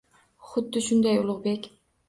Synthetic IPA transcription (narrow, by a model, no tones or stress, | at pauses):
χʊd̪ːɪʃʊnd̪ajʊlˠʊʁbekʲ